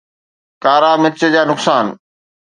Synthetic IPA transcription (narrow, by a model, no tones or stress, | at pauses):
kaːɾaːmɪt͡ɕəd͡ʑaːnʊksaːn